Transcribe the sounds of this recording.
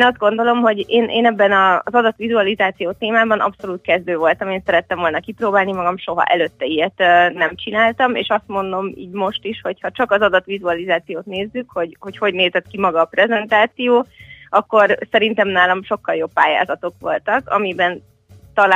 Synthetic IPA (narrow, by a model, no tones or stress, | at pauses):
nɒzd̪̚ɡo̞nd̪o̞lo̞mɦo̞ɟeːnʔeːnɛbːɛnɒzɒd̪ɒt̪ʋizuɒlizaːt̪sijoːt̪eːmaːbɒnɒ̰pso̞luːt̪̚kɛzd̪øːvo̞lt̪ɒmeːnsɛɾɛt̪ːɛɱvo̞lnɒkiproːbaːlnimɒɡɒmʃo̞ɦɒ̰ʔɛ̰løːt̪ːɛijɛt̪nɛmt͡ʃinaːlt̪ɒmḛːʃɒst̪mo̞nd̪o̞mḭːɟmo̞ʃt̪iʃho̞chɒt͡ʃɒkɒzɒd̪ɒt̪ʋizuɒlizaːt̪sijoːt̪neːzːykho̞ɟho̞cho̞ɟneːzɛt̪kimɒɡɒːpɾɛzɛnt̪aːt̪sijoːɒkːo̞rsɛɾint̪ɛmnaːlɒmʃo̞kːɒljo̞pːaːja̰ːzɒt̪o̞kʋo̞lt̪ɒkɒ̰mibɛn | t̪ɒl